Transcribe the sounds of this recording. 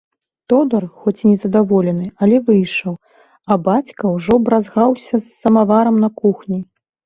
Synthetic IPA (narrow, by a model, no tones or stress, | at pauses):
t̪ɔd̪ɐrxɔt͡sʲinʲɛzɐd̪avɔlʲɛnɨɐlʲɛvɨjʂɐw | ɐbat͡sʲkɐwʐɔbɾazɣawsʲɐsːɐmavaɾɐmnɐkuxnʲi